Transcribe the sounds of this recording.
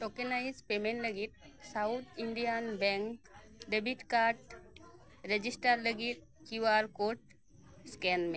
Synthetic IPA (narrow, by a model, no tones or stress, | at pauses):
ʈokənaid͡zpemeɳʈləɡit̪̚sawt̪ʰiɳɖijanbɛŋkɖebiʈkaɾʈ | ɾed͡ʑisʈaɾləɡit̪̚ | kiʋaɾkoʈ̚ | skɛnme